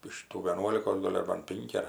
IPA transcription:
ɪʃ ˈtuː ʋʲiɛˈnuɔlʲɪkoːs ˈɡoːlʲ ɐr ˈbɐn ˈpʲɪŋʲkʲɪ ɐr

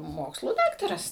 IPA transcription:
ˈmoːkslˠuː ˈdɑːktɐrɐs

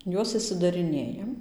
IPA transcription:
ˈjuɔs ɪʃʲsʲɪdɐrʲɪˈnʲeːjɛm

